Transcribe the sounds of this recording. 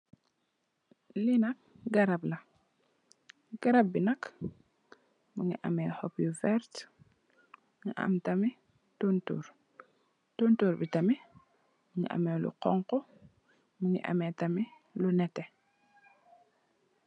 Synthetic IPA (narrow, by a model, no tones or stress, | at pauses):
linɐk̚ɡɐɾɐblɐ | ɡ̥ɐɾɐp̚binɐk | muŋḭʔɐ̰mɛːhɔpjufɛɾt | ŋḭʔɐ̰mtɐmi | tuntṵːɾ | tuntuːɾbitɐmi | muŋḭʔɐ̰mɛlṵqɔŋqɔ | muŋḭʔɐ̰mɛtɐmi | lunɛtːɛ